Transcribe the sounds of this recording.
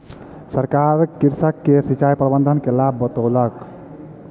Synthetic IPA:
səɾkaɾkiɾsəkːesit͡ʃajpɾəbənd̪ʱənkelabːət̪olək

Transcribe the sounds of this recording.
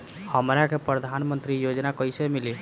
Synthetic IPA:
həmɾakepɾəd̪ʱanmənt̪ɾijod͡ʒnakəjsemili

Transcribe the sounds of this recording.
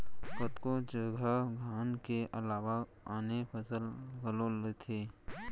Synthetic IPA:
kət̪kõd͡ʒəɡʱəɡʱaːnkeʔəlaːʋa | aːnepʰəsəlɡəlolet̪ʰeː

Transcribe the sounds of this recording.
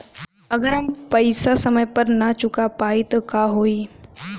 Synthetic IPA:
əɡəɾaːmpəjsasəməjpəɾnat͡ʃʊkapaːit̪ɐkaɦoːiː

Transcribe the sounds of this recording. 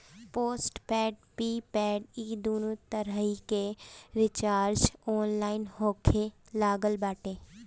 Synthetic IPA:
poːsʈpɛːɖ̚piːpɛːɖiːd̪oːnuːt̪əɾəɦikeɾɪt͡ʃaːɾd͡ʒɔːnlaːɪnɦoːkʰe | laːɡəlbaːʈeː

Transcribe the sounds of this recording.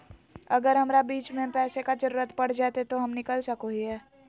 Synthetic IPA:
ɐɡəɾɦɐmɾabiːt͡ʃmẽpɛːsekad͡ʒəɾuːɾət̪pɐɽ̤d͡ʒaːt̪et̪oɦɐmnɪkəlsɐkoɦiɦɛː

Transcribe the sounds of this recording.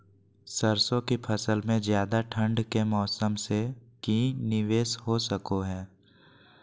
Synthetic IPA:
səɾsõkipʰəsəlmẽzjaːd̪aʈʰə̃ɳɖkemɔːsəmsekĩːnɪʋeːsɦosəkoɦɛː

